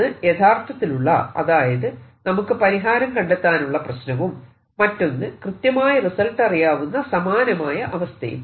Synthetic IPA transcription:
ɨjet̪ʰaːrt̪ʰːɐt̪ːiluɭːɐ̰ɐ̰ðaːjɐðɨnɐmukːɨpɐɾiɦaːɾɐmkɐɳɖet̪ːaːnuɭːɐprɐɕnɐʋumː | ɐtːo̞nːɨkrɨt̪jɐmaːjɐrisɐlʈɐrijaːʋunːɐsɐmaːnɐmaːjɐʔɐʋɐst̪ʰɐ̰jṵm

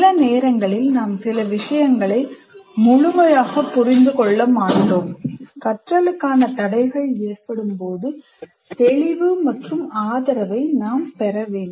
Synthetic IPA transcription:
lɐneːɾɐŋɡɐɭɪlnaːmsɪlɐʋɪʂɐjɐŋɡɐɭɐɪmʊɻʊmɐjaːɣɐpːʊrɪnd̪ɯkɔɭːɐmaːɳoːmkɐʈrɐlɯkːaːnɐt̪ɐɽɐɪɣɐɭeːrpɐɽɯmpoːðɯ | t̪ɛɭɪʋɯmɐʈrɯmaːðɐɾɐʋɐɪnaːmpɛɾɐʋeːn

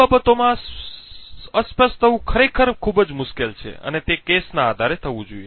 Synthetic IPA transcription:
abət̪omã | əspəʃt̪ʰəʋũkʰəɾekʰəɾkʰubəd͡ʒmʊʃkelt͡ʃʰḛə̰net̪ekesnaːd̪ʱaɾet̪ʰəʋũd͡ʒoie

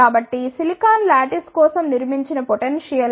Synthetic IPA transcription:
aːbɐʈːisilikaːnlaːʈiskɔːsɐmniɾmiɲt͡ʃinɐpoʈenʂijɐl

